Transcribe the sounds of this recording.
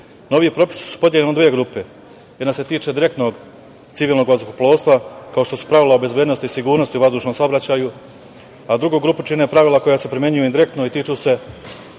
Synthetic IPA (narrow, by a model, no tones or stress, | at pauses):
no̞ʋiipɾo̞pi̥si̥su̥pod̪jeʎenod̪ʋijeɡɾuːpe̞ | jed̪nase̞t̪iːt͡ʃed̪iɾe̞kt̪no̞ɡ̪ | siʋilno̞ɡʋazd̪ukoplˠoːst̪ʋakao̞ʃt̪o̞su̥pɾaʋilaobe̞zbʲjeːd̪nost̪iisiɡuːɾnost̪iuʋazd̪uːʃno̞msao̞bɾat͡ɕaːju | ad̪ɾuɡuːɡɾuːput͡ʃine̞pɾaʋilˠako̞jase̞pɾimje̞ɲujuind̪iɾe̞kt̪noit̪iːt͡ʃuse̞